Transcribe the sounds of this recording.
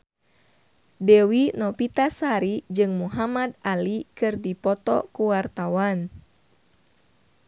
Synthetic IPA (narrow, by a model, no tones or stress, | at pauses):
dɛwinɔpit̪asaɾid͡ʒɨŋmuɦamad̪alikɨrdipɔt̪ɔ̰kuwart̪awan